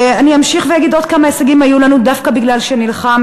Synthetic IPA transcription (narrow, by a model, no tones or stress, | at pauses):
aniamʃiχvejaɡid̪od̪̚kamaeseɡimhajulanud̪afkabiɡlalʃenilχam